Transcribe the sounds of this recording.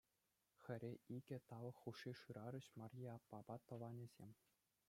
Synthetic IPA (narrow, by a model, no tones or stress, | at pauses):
xʲɘ̆ɾʲeiɡʲɘ̆t̪ɑʋɤ̆xːuʂːiʂɯɾɑɾʲɘ̆ɕmɑrʲjiɑpːɑbɑt̪ɤ̆ʋɑnʲɘ̆zʲemʲ